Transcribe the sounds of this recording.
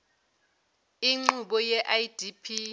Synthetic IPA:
iŋ͡ǃuɓɔjɛʔajd̥ʱipʰi

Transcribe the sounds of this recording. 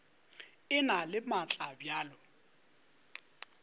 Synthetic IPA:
ɪnalɪmat͡ɬʼabjaːlɔ

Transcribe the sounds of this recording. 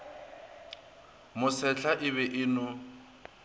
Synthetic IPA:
mʊsɛɬaʔɪβɛʔɪnʊ

